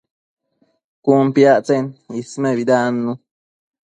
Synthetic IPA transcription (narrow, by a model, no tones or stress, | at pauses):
kumpjaʔt͡senismeβid̪anːu